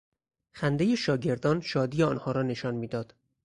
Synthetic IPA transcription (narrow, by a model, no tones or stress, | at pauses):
xænd̪e̞jeʃɒːɟe̞ɾd̪ɒːnʃɒːd̪iːjeɒːnhɒːɾɒːne̞ʃɒnmiːd̪ɒːd̪̥